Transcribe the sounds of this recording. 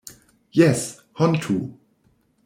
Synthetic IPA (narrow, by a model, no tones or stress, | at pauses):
jɛs | hʌ̃ntʰu